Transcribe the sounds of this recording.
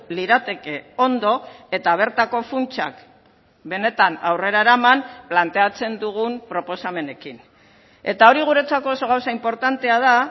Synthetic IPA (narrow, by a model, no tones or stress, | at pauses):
liɾat̪e̞ke̞o̞nd̪o̞e̞t̪aβ̞e̞ɾt̪ako̞funt͡ʃa̰k | be̞ne̞t̪anawre̞ɾaeɾamamplant̪e̞at͡se̞nd̪uɣumpɾo̞po̞same̞ne̞kin | e̞t̪ao̞ɾiɣ̞uɾe̞t͡sako̞ːso̞ɣ̞awsaimpo̞ɾt̪ant̪e̞að̞a